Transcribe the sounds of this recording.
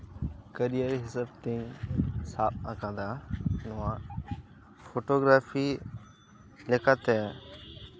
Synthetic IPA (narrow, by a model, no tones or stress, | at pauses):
kəɾijəɾɦɪsəb̚t̪ẽɲsaːp̚akãːd̪aːnʊʋãː | fʰoːʈoːɡɾaːfʰiː | lekat̪ɛː